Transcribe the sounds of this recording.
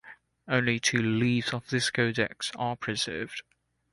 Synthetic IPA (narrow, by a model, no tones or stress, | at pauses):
ə̃ʊ̃nlitʰʉːliːvz̥əvðɪskʰəʊdɛ̰ksəpʰɹ̥ɪz̥ɜ̰ːvd̥